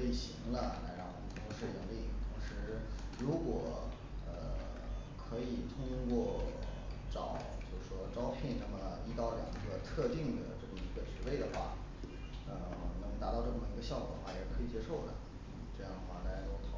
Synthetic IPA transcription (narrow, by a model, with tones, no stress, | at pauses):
i˨˩ɕi˧˥ŋlə˧la˧˥ɪɻɑ˥˩ŋwɔ˨˩mə˦nt̪ʰʊ˧˥ŋʂɻ̩˥˩jə˧˥ŋli˥˩t̪ʰʊ˧˥ŋʂɻ̩˧˥ɻu˧˥kwɔ˨˩ | ə˧ | kʰɤ˧˥i˨˩t̪ʰʊ˥ŋkwɔ˥˩ | ʈ͡ʂɑ˨˩˦ʊt͡ɕjo˥˧ʊʂ̩˥˩ʂwɔ˥ʈ͡ʂɑ˥ʊpʰjɛ˥˩nʂə˧˥nmə˧i˧˥t̪ɑ˥˩ʊljɑ̰˨˩ŋɡə˧t̪ʰɤ˥˧t̪i˥˩ŋd̪ə˩ʈ͡ʂɤ˥˩ʊ˧˥˩i˧˥pə˨˩nʈ͡ʂɻ̩˧˥we˥˩ɪd̪ə˩xwa̰˥˩ | ə˧˩nɤ˧˥t̪a˧˥t̪ɑ˥˧ʊʈ͡ʂɤ˥˩ə˨˩ŋ˩i˧˥ɡə˧ɕjɑ˥˧ʊkwɔ̰˨˩d̪ə˦xwa˥˩jɛ˨˩kʰɤ˧˥i˨˩t͡ɕjɛ˥ʂo˥˩ʊlə̰˩˥˩ | ʈ͡ʂɤ˥˧jɑ˥ŋd̪ə˧˩xwa˥˩na˥˩˧lɔ˥˩t̪ʰɑ˨˧˥